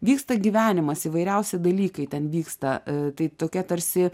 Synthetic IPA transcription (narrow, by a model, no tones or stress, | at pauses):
ʋʲiːkst̪ɐɡʲiʋʲæːnʲɪmɐsiːʋɐɪɾʲɛʊsʲɪd̪ɐlʲiːkɐɪt̪ʲɛnʋʲiːkst̪ɐt̪ɐɪt̪oːkʲiɛt̪ɐɾʲsʲɪ